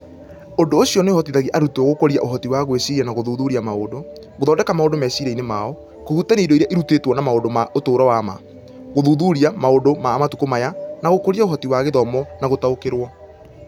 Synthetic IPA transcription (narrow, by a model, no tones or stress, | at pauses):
ondoːɕiɔneohɔtiðaɣiʔaɾutɔɣokoɾiaʔoɦɔtiwaɣwesiianaɣoðuːðuɾiamaodo | ɣoðɔːndɛkamaondomɛsiɾeinemaɔ | kohutaneidoiɾeaʔeɾutetwɔnamaondomaotoːɾɔwama̰ | ɣoðuðuɾiamaondomaːmatukomajanaɣokoɾiaoɦɔtiwaɣeðɔmɔnaɣotaokeɾwɔ